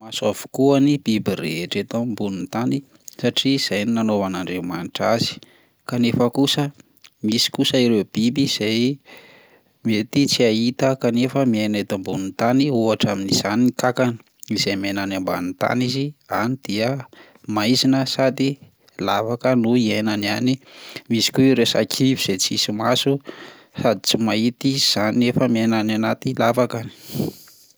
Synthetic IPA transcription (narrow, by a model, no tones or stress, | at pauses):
masavu̥kuanib̥ibiɾḛeʈ͡ʂet̪ambununt̪ani | saʈ͡ʂiz̥ajninanovanaɳɖ͡ʐemanʈ͡ʂazi̥ | kanefəkusə | misi̥kusəiɾeb̥ibiz̥aj | miet̪it͡siait̪əkanefəmianet̪ambununt̪aniuaʈ͡ʂaminiz̥aniikakani̥ | izejmenanamba̰nit̪a̰nizianid̪̥iə | majzinəsad̪i | lavakənuienanianimisi̥kuɾesa̰kʰiviz̥et͡sisimasu | sad̪it͡simait̪iz̥aniefəmienananat̪ilavakani̥